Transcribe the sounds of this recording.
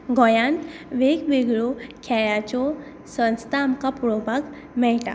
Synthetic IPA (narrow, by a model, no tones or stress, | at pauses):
ɡɔjãnt̪ʋeɡʋeɡɭokʰɛjat͡ɕɔ | sə̃nst̪ʰaːmkapuɾobʱak | mɛɭʈa̰